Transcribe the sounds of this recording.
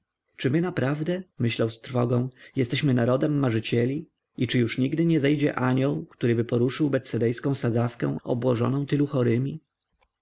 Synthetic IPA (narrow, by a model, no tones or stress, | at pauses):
t͡ʂɘmɘnapɾavd̪ɛmɘɕlawst̪ɾfɔɡɔ̃w̃jɛst̪ɛɕmɘnaɾɔd̪ɛmːaʐɘt͡ɕɛlʲi | it͡ʂɘjuʂɲiɡd̪ɘɲɛzɛjd͡ʑɛ̰ʔaɲɔwkt̪uɾɘbɘpɔɾuʂɘwbɛt̪sɛd̪ɛjskɔ̃w̃sad̪afkɛ̰w̃ɔ̰bwɔʐɔ̰nɔ̃w̃t̪ɘluxɔɾɘmʲi